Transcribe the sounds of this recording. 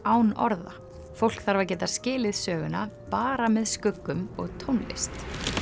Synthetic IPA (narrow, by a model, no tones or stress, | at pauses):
aːwnɔɾða̰ | fowl̥kθaɾvaɾc̬ɛːt̪ascɪːlɪðsœːɣʏnapaːɾamɛðskʏkːʏmɔɣt̪ʰownlɪ̰st̪